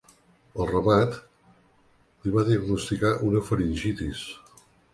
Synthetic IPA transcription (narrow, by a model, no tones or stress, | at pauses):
əlˠrəmat̪ | liβaðiəɡnust̪ikaʔunəfəɾinʲʒit̪is